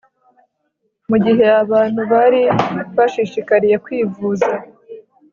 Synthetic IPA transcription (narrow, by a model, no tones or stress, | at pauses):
muɟiɦe̞jaβaːn̥huβaɾiβaʃiʃikaɾije̞kwiːvuːza